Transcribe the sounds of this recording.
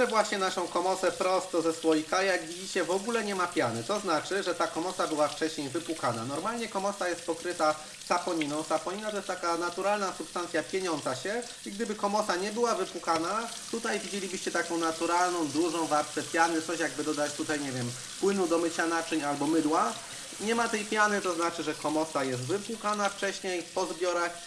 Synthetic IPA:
ɘvwaɕɲɛnaʂɔ̃w̃kɔmɔsɛpɾɔst̪ɔzɛswɔjikajaɡvʲid͡ʑit͡ɕɛvɔɡulɛɲɛmapʲjanɘt̪ɔznat͡ʂɘʐɛt̪akɔmɔsabɘwaft͡ʂɛɕɲejvɘpwukananɔɾmalɲɛkɔmɔsajɛst̪̚pɔkɾɘt̪a | sapɔɲinɔ̃w̃sapɔɲinat̪ɔjɛst̪akanat̪uɾalnasupst̪ant̪sʲjapʲjeɲɔnt̪saɕɛ | iɡd̪ɘbɘkɔmɔsaɲɛbɘwavɘpwukana | t̪ut̪ajvʲid͡ʑelʲibɘɕt͡ɕɛt̪akɔ̃w̃nat̪uɾalnɔ̃w̃d̪uʐɔ̃w̃vapspɛt̪sʲjalnɘt̪sɔɕjaɡ̚bɘd̪ɔd̪at͡ɕt̪ut̪ajɲɛvʲjɛm | pwɘnud̪ɔmɘt͡ɕanat͡ʂɘɲalbɔmɘd̪wa | ɲɛmat̪ɛjpʲjanɘt̪ɔznat͡ʂɘʐɛkɔmɔsajɛst̪vɘpwukanaft͡ʂɛɕɲejpɔzbʲjɔɾɛ

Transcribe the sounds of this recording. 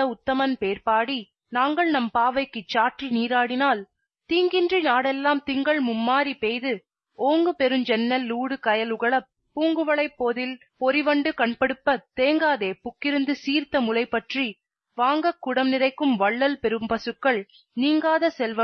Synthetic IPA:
ɐʊt̪ːɐmɐnpeːɾpaːɽi | naːŋɡɐɭnɐmpaːʋɐɪkːɯt͡ʃːaːʈriniːɾaːɽɪnaːl | t̪iːŋɡɪndrinaːɽɛlːaːmt̪ɪŋɡɐɭmʊmːaːɾipejðɯ | oːŋɡɯpɛɾɯmd͡ʒɛnːɐlːuːɽɯkɐjɐlʊɣɐɭɐpːuːŋɡɯʋɐɭɐɪpːoːðɪl | pɔɾɪʋɐɳɖɯkɐɳpɐɽɯpːɐt̪eːŋɡaːðeːpʊkːɪɾɯnd̪ɯsiːɾt̪ɐmʊlɐɪpːɐʈri | ʋaːŋɡɐkːʊɽɐmnɪrɐɪkːɯmʋɐɭːɐlpɛɾɯmpɐsɯkːɐɭ | niːŋɡaːðɐsɛlʋɐ

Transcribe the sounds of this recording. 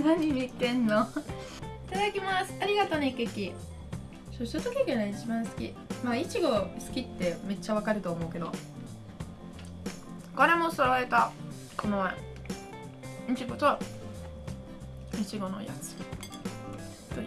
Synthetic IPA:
naɲ̟imʲit̪ːẽ̞nːo | it̪ad̪akʲimasɨ̥aɾʲiɡat̪onekːekʲi | soɕt̪at̪okʲikenaeit͡ɕibãɰ̃sɨ̥kʲḭ | mait͡ɕiɡo̞sɨ̥kʲit̪ːe̞me̞t͡ɕːaβ̞akaɾɯ̟t̪o̞ːmo̞ɯ̟ke̞d̪o̞̰ | kaɾemosaβaɾet̪a | kʰonomae | it͡ɕiɡot͡ɕa | it͡ɕiɡo̞no̰ja̰sɨ̥kʲi | t̪o

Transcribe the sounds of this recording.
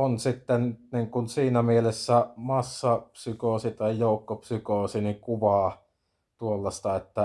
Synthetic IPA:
onsit̪ːenniŋkunsiːnæmielesːæmɑsːɑpsykoˑsit̪ɑijjoˑukːopsykoːˑsiniŋkuʋɑː | t̪uolːɑst̪ɑet̪ːæ

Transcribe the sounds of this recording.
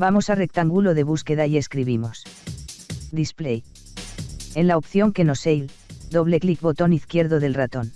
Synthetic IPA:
bamo̞sare̞k̚t̪aŋɡulo̞ðe̞β̞uske̞ðaje̞skɾiβ̞imos | d̪isplej | e̞nlaopθjo̞ŋke̞no̞sejl | d̪o̞β̞le̞klik̚bo̞t̪o̞niθkje̞ɾðoðe̞lrat̪o̞n

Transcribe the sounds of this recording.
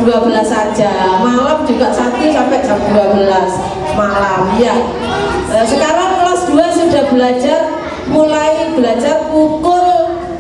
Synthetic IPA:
d̥uabəlasḁʒ̥amalamd͡ʒuɡaʔsat̪usampɛʔd͡ʒ̥amduabəlas | malamja | səkaɾaŋlasd̪̥uasud̥ahb̥əlḁd͡ʒar | mulaib̥əlad͡ʒarkuk̪ʊl

